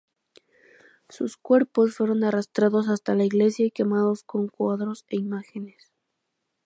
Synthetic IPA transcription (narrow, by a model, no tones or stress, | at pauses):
suskwe̞ɾpo̞sfwe̞ɾo̞narast̪ɾaðo̞s̬ast̪alaiɣle̞sjake̞maðo̞sko̞ŋkwaðɾo̞se̞imaxenes